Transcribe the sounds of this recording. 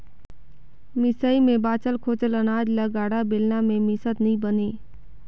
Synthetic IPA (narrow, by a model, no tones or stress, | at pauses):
mɪsəimẽbaːt͡ʃəlkʰoːt͡ʃələnaːd͡ʒləɡaːɽabɪlnamẽmɪsət̪nĩbəneː